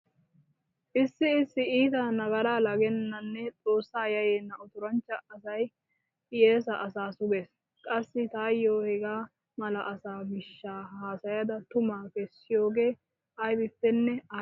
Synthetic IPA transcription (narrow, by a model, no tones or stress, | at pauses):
ʔɪsːɪɪsːɪiːt̪ɐnɐɡɐɾaːlɐɡɛnːɐnːɛt͡sʼo̞ːsːaːjɐjeːnːɐɔt̪ʊɾɐnt͡ʃːɐɐsɐj | pʼɪjeːsɐʔɐsaːsʊɡeːs | kʼɐsːɪt̪aːjːoːhɛɡaː | mɐlɐʔɐsaːbɪʃːaːhaːsɐjɐd̪ɐt̪ʊmaːkɛsːɪjo̞ːɡe̞ː | ɐjbɪpːɛnːɛɐ